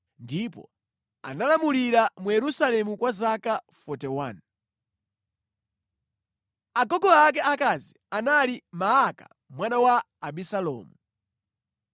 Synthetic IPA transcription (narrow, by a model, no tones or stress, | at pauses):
ndipɔ̰ | a̰nalamuliɾamujɛɾusalɛmukwazakafɔtɛwan | aɡɔɡɔak̬ɛakazi | analimaaka̰ | mwanawaː | bisalɔ̰ːmu